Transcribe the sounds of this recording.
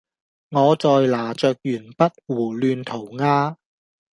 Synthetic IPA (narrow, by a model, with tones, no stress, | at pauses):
ŋɔː˨˧t͡sɔː˨jlaː˨˩t͡sœː˨k̚jyː˨˩npɐ˥t̚wuː˨˩lyː˧nt̪ʰo˨˩wŋaː˥